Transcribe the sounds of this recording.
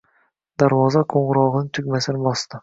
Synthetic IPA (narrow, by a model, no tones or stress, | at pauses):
d̪̥aɾvɒzaqʰoɴʁɨɾɒʁɨnɪt̪ʰʊɡʲmasɪnɪbɒst̪ɪ